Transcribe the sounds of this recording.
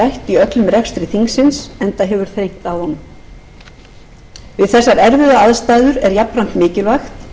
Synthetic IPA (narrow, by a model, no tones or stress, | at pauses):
ajht̪iœt̪lʏmrɛkst̪ɾɪθiŋksɪnsɛnt̪aɦɛvʏɾ̥θejn̥t̪awðhɔnːʏm | vɪðθɛsːaɾɛɾvɪðaaðst̪ajðʏɾɛɾjapɾam̥t̪mɪːcɪlvajxt̪